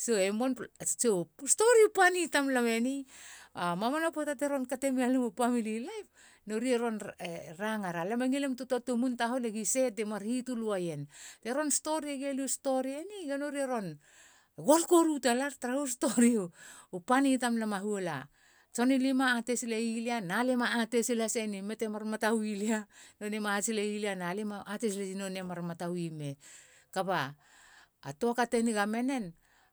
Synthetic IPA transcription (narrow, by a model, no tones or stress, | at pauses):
soemont͡ʃosto̞ɾiupanitamlame̞niamamanapotateɾo̞nkate̞mialemupamililajp̚ | noɾieɾo̞neɾaŋaɾalemaŋilemtutotomuntaɦoleɡise̞temaɾhituluaje̞nteɾo̞nsto̞ɾieɡeliusto̞ɾieniɡanoɾieɾo̞n | ɡo̞lkoɾutalaɾtɾausto̞ɾiupanitamlamaɦuela̰ | t͡ʃo̞nilimaːte̞sileilianalemaːtesilasenime̞temaɾmatawilianonemasileilianalemaateslesino̞nemaɾmatawime̞ | kaba̰ː | to̞akateniɡame̞ne̞n